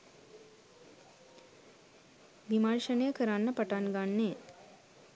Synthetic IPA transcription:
ʋimarʃənəjəkəɾanːəpəʈanɡanːe

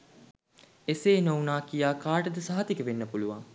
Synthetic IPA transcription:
eseːnownaːkijaːkaːʈəd̪əsaɦɐt̪ikəʋenːəpuluʋa̰ŋ

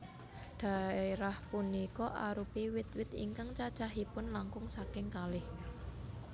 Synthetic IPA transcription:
d̪̥a̤eɾahpunikɔʔaɾupiwɪt̪̚wɪt̪ḭŋkaŋt͡ʃḁt͡ʃaɦipʊnlaŋkʊŋsakɪŋkalɪh

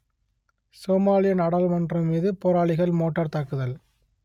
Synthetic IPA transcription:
soːmaːlɪjɐnɐɽɐlmɐndrɐmmiːðɯpoːɾaːɭɪɣɐɭmoːʈːɐɾt̪ɐkːɯðɐl

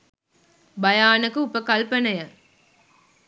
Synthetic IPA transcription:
bɐjaːnɐkuupəkɐlpɐnɐjɐ

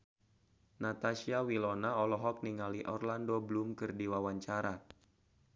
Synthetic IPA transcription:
nat̪asiawilɔnaɔlɔɦɔk̚niŋaliʔɔrlandoblumkɨrdiwawaɲt͡ʃaɾa

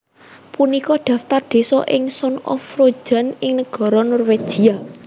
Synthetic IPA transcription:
punikɔɖ̪̥ä̤ft̪ard̪̥e̤sɔ̰ʔɪŋsɔnɔ̰fro̥d͡ʒ̥a̤nɪŋnəɡ̥ɔ̤ɾɔnɔrwed̥ʒ̥ia

